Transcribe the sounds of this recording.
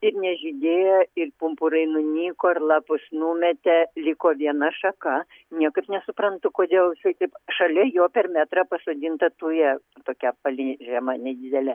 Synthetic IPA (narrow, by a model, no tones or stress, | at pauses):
ɪrnʲɛʒʲɪd̪ʲeːjɛɪrpʊmpʊɾɐɪnʊnʲiːkoːrlˠɑːpʊsnuːmʲɛt̪ʲɛlʲɪkoːʋʲiɛnɐʃɐkɐ | nʲiɛkɐɪpnʲɛsʊpɾɐnt̪ʊkoːd̪ʲeːlˠʃɐɪt̪ɐɪpʃɐlʲɛjoːpʲɛrmʲæːt̪ɾɑpɐsoːd̪ʲɪnt̪ɐt̪uːjɛ | t̪oːkʲɛpɐlʲɪʒʲɛmɐnʲɛd̪ʲɪd̪ʲɛlʲɛ